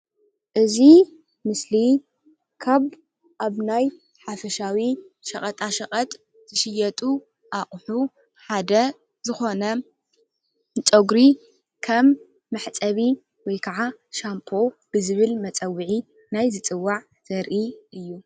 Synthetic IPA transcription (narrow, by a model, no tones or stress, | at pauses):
ʔɨzi | mɨsli | kʰaβ | ʔaβnaj | ħafɐʃawi | ʃɐχʼɐt̪ʼaʃɐχʼɐt̪ʼ | z̥ɨʃɪjɛt̪ʼu | ʔaχʼħu | ħad̪ɐ | zɨxo̞nɐ | t͡sʼoɡɾi | kʰɐmː | ɐħt͡sʼɐβi | wɔjkʰaʕaʃampʰo̞b̥ɨzɨβɨlmɐt͡sʼɐwːɨʕi | najzɨt͡sʼɨwːaʕ | z̥ɐɾʔiʔɨjːu